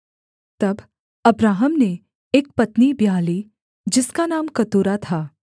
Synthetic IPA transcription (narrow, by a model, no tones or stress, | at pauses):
t̪ɐb | ɐbɾaːɦəmne | eːk̚pɐt̪nibijaːliː | d͡ʒɪskanaːmkɐt̪uːɾat̪ʰaː